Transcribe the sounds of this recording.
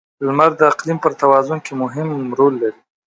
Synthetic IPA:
lmaɾd̪əaqlimpəɾt̪awɑzʊnkemʊɦɪmɾolːaɾi

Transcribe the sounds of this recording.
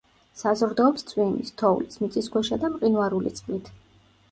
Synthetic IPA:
sazɾd̪ɔːpst̪sʰʼwimḭst̪ʰɔulismit̪sʼisɡwɛʃad̪amqʼinwaɾulḭt̪sʼχʼlit̪ʰ

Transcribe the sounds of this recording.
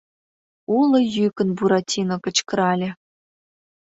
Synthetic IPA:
ulˠɤ̆jykə̆nbuɾɑtʲinokə̆t͡ɕkə̆ɾɑlʲĕ

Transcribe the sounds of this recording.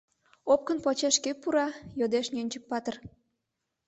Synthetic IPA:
op̚kə̆npot͡ɕeʃkepːuɾɑjod̪eʃnʲønʲt͡ɕək̚pɑt̪ər

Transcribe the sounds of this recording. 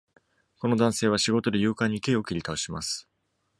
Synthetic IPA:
ko̞no̞d̪ãse̞ːβ̞aɕiɡo̞t̪o̞d̪e̞jɯːkãɲ̟ːike̞o̞kʲiɾʲit̪aoɕimasɨ̥

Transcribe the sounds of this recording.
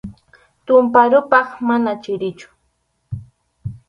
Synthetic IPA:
t̪ʊmpaɾʊpɑχmanat͡ʃɪɾɪt͡ʃʊ̥

